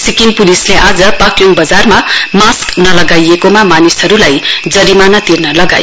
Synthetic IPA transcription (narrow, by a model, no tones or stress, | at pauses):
sikinpulisleʔad͡zʌpakjoŋbʌd͡zarmamasknʌlʌɡajekomamanisɦʌɾulajd͡zʌɾimanʌt̪irnʌlʌɡa̰j